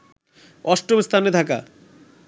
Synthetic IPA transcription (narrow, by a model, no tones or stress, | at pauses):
ɔʃʈobst̪ʰaned̪ʰʱaka̰